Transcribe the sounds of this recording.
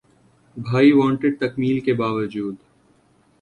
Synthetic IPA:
bʱaːiʋãːɳʈɪɖ̚t̪ɐkmiːlkebaːʋəd͡ʒuːd̪

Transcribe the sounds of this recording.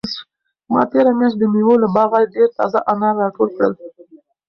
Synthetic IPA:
mɑ̰t̪eɾamjɑnzd̪əmiwolabɑɣaɖeɾt̪ɑ̰zaʔanɑɾːɑʈolkɽə̰l

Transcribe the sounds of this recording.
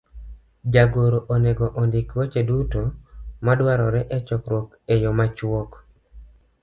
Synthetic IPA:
d͡ʒaɡoɾoʔoneɡɔʔɔndɪkwɔt͡ʃedutomadwaɾɔɾɛʔɛt͡ʃɔkɾwɔk | ejɔmat͡ʃwɔk

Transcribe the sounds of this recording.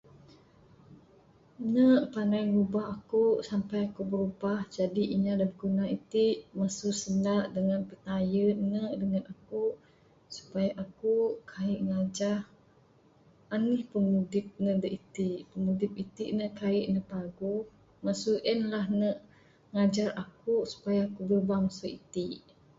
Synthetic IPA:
nəʔpanajɾubahakusampajakubəɾubahd͡ʒadiʔiɲadabəɡunait̪iʔmasusəndaʔdəŋanpət̪ajənəʔdəŋanaku | su̥pajaʔakukʰaɪʔŋad͡ʒah | anihpəmudɪp̚nədəʔit̪iʔpəmudɪp̚it̪iʔnəʔkaɪʔnəpaɡu | masuʔənlaɦnəʔ | ŋad͡ʒarakusu̥pajaːkubəɾubahmasuʔit̪iʔ

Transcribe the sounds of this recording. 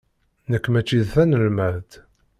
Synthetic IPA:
nəkʷːmæt͡ʃːiðθænəlmæðt̪

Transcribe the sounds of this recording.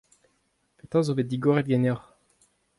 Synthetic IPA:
pet̪ɑ̃zovet̚d̪iɡoʁɛt̪̚ɡɛnɔʁ

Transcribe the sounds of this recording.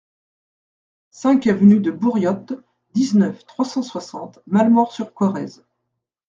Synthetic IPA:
sɛ̃kavənyd̪əbuʁjɔt̪ | d̪iznœft̪χwasɑ̃swasɑ̃t̪malmɔʁsyʁkwɔʁɛz

